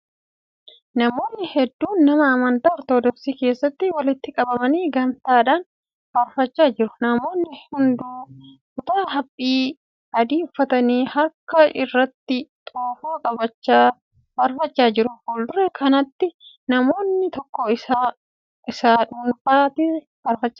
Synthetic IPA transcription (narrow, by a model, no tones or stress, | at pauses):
nɐmo̞ːnːɪhɛd̪ːuːnːɐmɐːmɐnt̪aːɔɾt̪oːd̪ɔfsiːke̞ːsːɐt̪ːɪwɐlɪt̪ːɪkʼɐbɐmɐniːɡɐnt̪aːᶑaːn | bɐɾfɐt͡ʃːaːd͡ʒɪɾʊ̥nɐmo̞ːnːɪhʊnd̪ukʊt̪aːɦɐpʼːiː | ɐd̪iːʊfːɐt̪ɐniːhɐkːɐʔɪrːɐt̪ːɪt̪ʼoːfoːkʼɐbɐt͡ʃːaː | bɐɾfɐt͡ʃːaːd͡ʒɪɾʊhʊld̪ʊɾɛkʰɐnɐt̪ːɪ | nɐmo̞ːnːɪt̪ɔkːɔɪsa | ʔɪsaːᶑʊnbaːt̪ɪ | bɐɾfɐt͡ʃːḁː